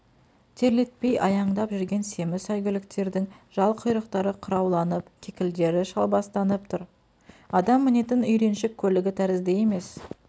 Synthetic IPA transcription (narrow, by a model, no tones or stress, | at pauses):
t̪ʰe̞ɾle̞t̪̚pe̞jʔɑjɑɴd̪ɑpʒʏɾɡʲe̞nse̞mɪsɑjɡʲɪlɪk̚t̪e̞ɾd̪ɪŋʒɑlˠqʰʊjɾəqt̪ɑɾəqʰʊɾɑwlˠɑnəpkʲʰekʲɪld̪e̞ɾɪʃɑlˠbɑst̪ɑnəp̚t̪ʰʊɾ | ɑd̪ɑmːɪne̞t̪ɪnʏjɾe̞nʃɪkʲʰːɵlɪɡʲɪt̪ʰæɾɪzd̪eje̞me̞s